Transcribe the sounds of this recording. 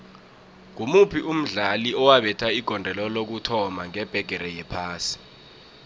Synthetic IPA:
kumupʰiʔum̩ɮaliɔwaɓɛtʰaiɡ̥ʱɔndʱɛlɔlok̬utʰɔmaŋɛb̥ʱɛɡ̥ʱɛɾɛjɛpʰaːsi̥

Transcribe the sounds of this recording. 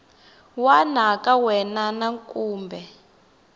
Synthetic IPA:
wanakʼawɛnanaŋkʼuːmbʱɛ

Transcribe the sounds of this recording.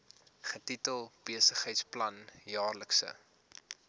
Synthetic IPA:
χətitəlˠb̥iəsəχɦɛjtsplɐnjɑːrləksə̰

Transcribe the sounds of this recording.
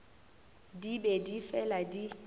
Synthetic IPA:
dibedifɛladi

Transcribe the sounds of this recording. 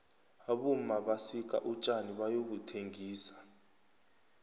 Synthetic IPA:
aɓumaɓasik̬ʼa̰ʔut͡ʃʼaniɓajokutʰeŋʱiːsḁ

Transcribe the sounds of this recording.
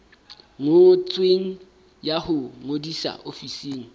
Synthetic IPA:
ŋot͡sʼweŋ̩ | jahʊŋodisa̰ʔofisiːŋ̩

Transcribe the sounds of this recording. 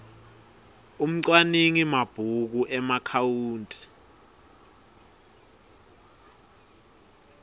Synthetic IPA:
um̩ǀwaniŋimab̥ʱuk̬uʔɛmakʰawuːntʼi̥

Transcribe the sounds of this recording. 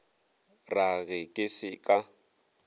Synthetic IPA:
raɣɪkʼɪsɪkʼa

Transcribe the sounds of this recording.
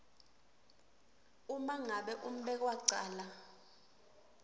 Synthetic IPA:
umaŋaɓɛʔum̩ɓɛk̬waǀaːla

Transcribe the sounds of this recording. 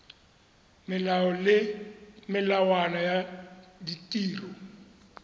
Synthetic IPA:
mɪllɪmɪlawanɔjaditʼiːrɔ

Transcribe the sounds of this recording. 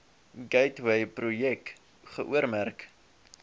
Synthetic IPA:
ɡɛjtwɛjprujɛk | χəʔuəɾmærk

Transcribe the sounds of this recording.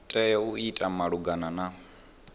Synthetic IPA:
tʼɛjɛuitʼamaɺuɡanana

